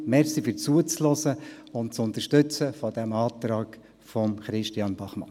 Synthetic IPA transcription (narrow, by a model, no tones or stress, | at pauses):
mɛɾsifyɾt͡suət͡slɔsə | ʊnt̚t͡sʊnt̪əɾʃtʏt͡səfɔd̥æmɑːt̪ɾɑːk | fɔmχɾɪʃtiɑnbɑχmɑ̰n